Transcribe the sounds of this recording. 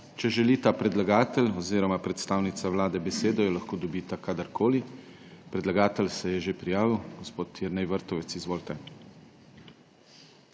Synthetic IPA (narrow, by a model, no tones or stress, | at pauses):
t͡ʃɛʒɛliːt̪apɾɛd̪laɡaːt̪ɛlɔziːɾɔmapɾɛt̪st̪aːwnit̪saʋlaːd̪ɛbɛseːd̪ɔjɔlaxkoːd̪ɔbiːt̪akaːd̪aɾkʰoːli | pɾɛd̪laɡaːt̪ɛlsɛjɛʒepɾijaːʋiwɡɔspoːt̪jɛɾnɛjʋəɾt̪ɔʋɛt̪sizʋoːlt̪ɛ